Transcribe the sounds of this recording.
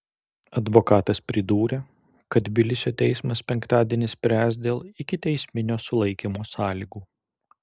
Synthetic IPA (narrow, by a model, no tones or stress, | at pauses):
ɐd̪ʋokɑːt̪ɐspʲɾʲɪd̪uːɾʲeː | kɐt̪bʲɪlʲɪsʲoːt̪ʲɛɪsmɐspʲɛŋkt̪ɑːd̪ʲeːnʲɪsʲpʲɾʲæːsd̪ʲeːlˠɪkʲɪt̪ʲɛɪsʲmʲɪnʲoːsʊlˠɐɪkʲimoːsɑːlʲiːɡuː